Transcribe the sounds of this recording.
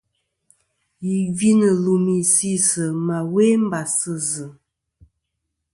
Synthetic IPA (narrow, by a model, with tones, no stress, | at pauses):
ji˨vi˦nə˨lu˨mi˨si˦sə˨ma˨we˦m̩˦ba˨sə˦zɨ˨